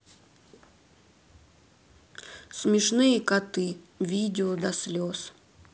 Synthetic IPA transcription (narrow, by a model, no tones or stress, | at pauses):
smʲɪʂnɨjəkat̪ɨ | vʲidʲɪod̪ɐsʲlʲos